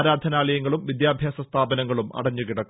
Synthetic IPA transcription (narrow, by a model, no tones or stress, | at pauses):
ɾaːd̪ʱɐnaːlɐjɐŋːɐɭumʋid̪jaːbʱjaːsɐst̪ʰaːbɐnɐŋːɐɭumɐ̰ɽɐɲːukiɽɐkː